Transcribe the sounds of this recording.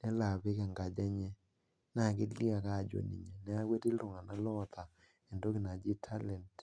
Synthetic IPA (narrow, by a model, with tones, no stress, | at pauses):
nɛ˦la˨pɪ˦ka˨ŋɡa˨d͡ʒa˦ɲɛ˦ | na˦˨kɪ˦li˦a˨ka˦˨d͡ʒo̰˨nḭ˨ɲe˨nɛ˨˦a˦ɡwe˦ti˦lʊ˨ŋa˨na˦lɔ˦t̪ʰa˨ | e˨ndo˦kɪ˨na˨d͡ʒɪ˦tʰa˦lɛ˨nt